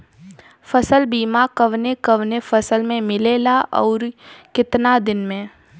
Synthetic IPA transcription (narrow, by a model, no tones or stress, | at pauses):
fɐsəlbiːmakəʋnekɐʋnefɐsəlmẽmɪleːlaʔɔːɾkɪt̪nad̪ɪnmẽː